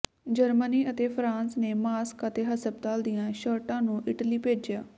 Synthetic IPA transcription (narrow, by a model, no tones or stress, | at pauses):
d͡ʒəɾməniːʔət̪eːpʰɾãːnsneːmaːskət̪eːɦəsəb̚t̪aːld̪ijãːʃəɾʈãːnũːʔɪʈəliːpeːd͡ʒjaː